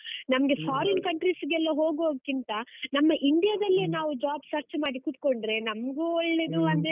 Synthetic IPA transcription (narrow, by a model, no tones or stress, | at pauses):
nɐmɐɡe̞fʰaːɾɐnkɐɳʈɾisɡɛlːɐɦo̞ːɡɦoːɡkːint̪ɐnɐmːɐʔiɳɖijɐd̪ɐlːinaːʋud͡ʒaːbsɐɾt͡ʃmaːɽikut̪koɳɖɾe̞nɐmɡuɔɭːe̞d̪uɐnd̪e